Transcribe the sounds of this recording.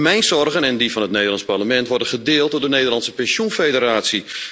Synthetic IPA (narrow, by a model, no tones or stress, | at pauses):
mɛjnzɔrɣənɛndivɑnətnejdərlɑnsparləmɛntʋɔrdənχədɪːlˠt̚dʊːɹdəneːdərlɑnsəpɛnsjunfejdəɾaːsi